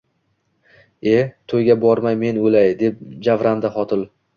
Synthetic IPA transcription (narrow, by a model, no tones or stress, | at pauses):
e̞t̪ʰojɡʲabɒɾmajme̞nolajd̪e̞p̚d͡ʒavɾand̪aχɒt̪ʰɪlˠ